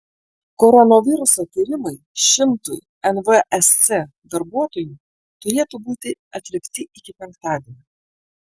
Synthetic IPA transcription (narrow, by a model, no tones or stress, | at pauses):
kɔɾɔnoʋʲɪɾʊsoːt̪ʲiːɾʲɪmɐɪʃʲɪmt̪ʊɪ | ɛnʋəʔɛssʲɛ | d̪ɐɾbuɔt̪oːju | t̪ʊɾʲiːt̪uːbuːt̪ʲɪɐt̪ʲlʲɪkʲt̪ʲɪʔɪkʲɪpʲɛŋkt̪ɑːd̪ʲiɛnʲu